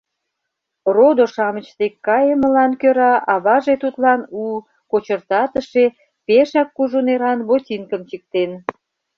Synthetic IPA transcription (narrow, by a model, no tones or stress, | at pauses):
rod̪oʃɑmə̆t͡ɕt̪ekːɑjeməlɑnkøɾɑʔɑβɑʒet̪ut̪lɑnu | kot͡ɕərt̪ɑt̪əʃe | peʃɑkːuʒuneɾɑnβot̪ʲiŋkəmt͡ɕik̚t̪en